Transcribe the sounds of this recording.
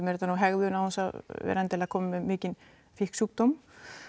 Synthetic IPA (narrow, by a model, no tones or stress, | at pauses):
mɛɾt̪anuɦɛɣðʏnawhunsavɛ̰ɾɛnt̪ɪlakʰɔːmɪmːɛmɪːcɪn | fɪhksuːk̚t̪om